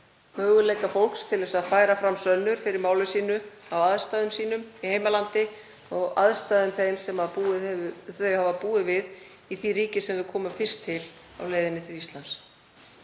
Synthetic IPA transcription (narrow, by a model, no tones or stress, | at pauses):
mœːɣʏlejkafowl̥kst̪ʰɪlðɛsaðfaːjɾafɾamsœnːʏɾ̥fɪɾɪɾmaːwlʏsiːnʏ | awaðst̪aːðʏmsiːnʏmihejmalant̪ɪ | ɔɣa̰ðst̪aːðʏmθejmsɛmauθœɥhavapuːɪvɪð | iθiɾiːcɪsɛmðʏkʰɔːmafɪr̥st̪ʰːɪl | a̰wleːjðɪnːɪt̪ʰɪlist̪lans